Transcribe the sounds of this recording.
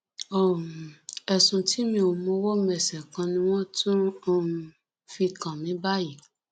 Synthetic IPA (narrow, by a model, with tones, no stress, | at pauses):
ɔ˨ũ˨ɛ˨sũ˨ti˨˦mĩ˧o˨mõ˧˦wɔ˦mɛ˨sɛ˨kã˧nĩ˧w̃ɔ̃˦tũ˦o˧ | fi˧kã˨mĩ˨˦ba˦ji˨